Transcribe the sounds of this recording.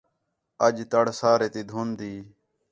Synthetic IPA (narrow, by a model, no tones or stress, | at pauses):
əd͡ʒt̪əɽsaːɾeːt̪iːd̪ʱuːnd̪iː